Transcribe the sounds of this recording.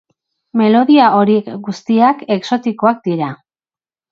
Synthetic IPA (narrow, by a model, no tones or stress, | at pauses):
me̞lo̞ðiao̞ɾiekɡust̪iake̞kso̞t̪iko̞ak̚d̪iɾa